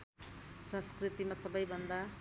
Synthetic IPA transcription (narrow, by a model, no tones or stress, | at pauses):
sʌ̃nskrit̪imasʌbʌjbʱʌnd̪a